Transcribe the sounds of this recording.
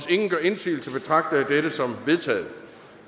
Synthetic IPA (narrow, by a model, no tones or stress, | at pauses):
se̝ŋn̩ɡ̥ɶɐe̝nsḭːl̩səb̥e̝t͡sʰʁɑ̈ɡ̥̚d̥əæd̥eɾəsɒ̽mʋe̝ðˠt͡sʰɛ̰ːð̩ˠ